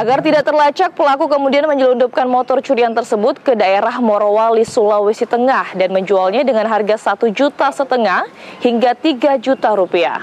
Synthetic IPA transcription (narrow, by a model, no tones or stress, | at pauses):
ʔaɡart̪idaʔ̚t̪ərlat͡ʃak̚pəlakukəmudianməɲəlundup̚kanmɔt̪ɔrt͡ʃuɾiant̪ərsəbʊt̪̚kədaeɾahmoɾowalisulawesit̪əŋahdanməɲd͡ʒualɲadəŋanɦarɡasat̪ud͡ʒut̪asət̪əŋahhiŋɡat̪iɡad͡ʒut̪aɾupia̰